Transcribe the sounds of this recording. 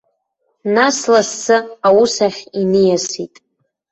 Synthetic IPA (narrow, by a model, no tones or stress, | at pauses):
naslasːɨawusaχʲinɨjasitʼ